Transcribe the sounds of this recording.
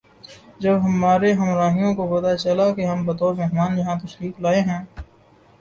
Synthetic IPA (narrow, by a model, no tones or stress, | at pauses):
d͡ʒɐbɦɐmaːɾeɦɐmɾaːɦijõkopɐt̪at͡ʃɐlakeɦɐmbɐt̪ɔːɾmeːɦmaːnjɐɦãt̪ɐʃɾiːklaːeɦɛ̃ː